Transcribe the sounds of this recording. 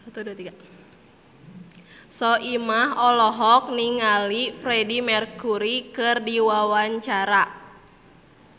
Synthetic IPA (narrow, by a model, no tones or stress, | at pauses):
t̪udut̪ika | sɔʔimaɦɔlɔɦɔk̚niŋalipɾɛdimɛrkuɾikɨrdiwawaɲt͡ʃaɾa